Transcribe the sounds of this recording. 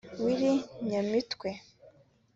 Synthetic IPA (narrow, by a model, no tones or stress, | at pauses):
wiɾiɲamitkwe